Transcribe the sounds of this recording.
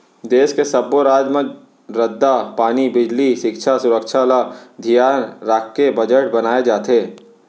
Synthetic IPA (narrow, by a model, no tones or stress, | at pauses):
d̪eːʃkesɐboɾaːd͡ʒmə̃d͡ʒ | ɾɐd̪ːapaːnibɪd͡ʒliʃɪkʃʰasʊɾəkʃʰalad̪ʱijaːnɾaːkːebɐd͡ʒəʈbɐnaːed͡ʒaːt̪eː